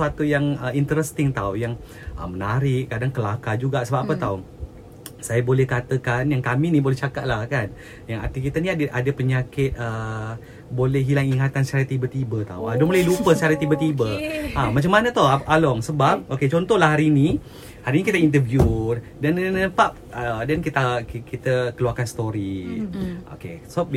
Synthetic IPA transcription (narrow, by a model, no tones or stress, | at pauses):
at̪ujaŋəint̪əɾəst̪ɪŋt̪awjaŋ | ʔə̰mənaɾɪʔkadaŋkəlakad͡ʒuɡaʔsəbap̚ʔapət̪aw | sajabolɛhkat̪əkanjaŋkaminibolɛht͡ʃakaʔ̪̚lahkan | jaŋa̰t̪ikit̪aniadəʔadəpəɲakɪt̪̚ə | bolɛhɦilaŋiŋat̪ansət͡ʃaɾat̪ːibət̪ibət̪a̰wa̰dobolalupəsəaɾat̪ibət̪ibəʔamat͡ʃamːanət̪ɔɦaʔalɔŋsəbap̚oket͡ʃɔnt̪ɔlaɦaɾini | haɾinikit̪əint̪̬əvju | dannəpap̚ədankit̪akkit̪əkəluarkansə̥t̪oɾi | ʔo̰kḛs